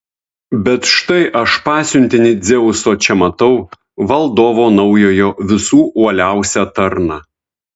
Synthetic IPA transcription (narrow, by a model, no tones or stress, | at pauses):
bʲɛt̪ʃt̪ɐɪʔɐʃpɑːsʲʊnʲt̪ʲɪnʲɪd̪zʲɛʊʊsoːt͡ʃʲɛmɐt̪ɐʊ | ʋɐlˠd̪oːʋoːnɒʊjoːjoːʋʲɪsuːʔuɔlʲæˑʊsʲæt̪ɐɾnɑ